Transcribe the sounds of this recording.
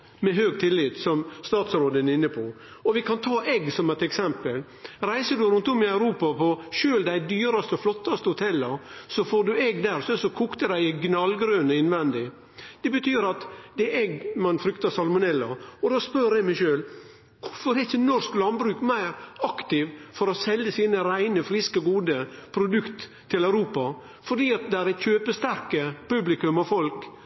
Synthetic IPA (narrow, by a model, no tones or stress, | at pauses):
mɛɦøːɡ̚t̪ʰɪlːɪt̪sɔmst̪ɑːt̪sɾoːd̪ənɪnːəpʰɔ | ɔʋɪkʰɑnt̪ʰɑːʔɛɡsɔmɛɪt̪ɛksɛmpəl | ɾæɪsəd̪ʉɾʉnt̪ʊmːɪɑʉɾuːpɑpʰɔʃøːld̪æɪd̪yːɾɑst̪əɔflɔt̪ːɑst̪əhʊt̪ʰɛlːɑɾsɔfoːɖʉɛɡd̪æɾsɔɛsɔkʰuːkt̪əd̪æɪɪɡnɑlɡɾøːnəɪnʋɛnd̪ɪ | d̪̥ɛbət̪ʰyːɾɑt̪d̪ɛʔɛɡmɑnfɾʏkt̪ɑsɑlmʊnɛlːɑ̰ɔd̪oːspœɾɛɡmɛɪʃøːl | kʰʊfɔɾɛçənɔɾsklɑnbɾʉːkmæɪɾɑkt̪ɪʋfɔɾɔsɛlːəsiːnəɾæɪnəfɾɪskəɔɡuːd̪əpʰɾʊd̪ʉkt̪ʰː | ɪlæʉɾuːpɑ | fɔɖiːɑt̪̚d̪ɛæɾɛt̪çøːpəst̪æɾkəpʉblɪkʉmɑfɔlk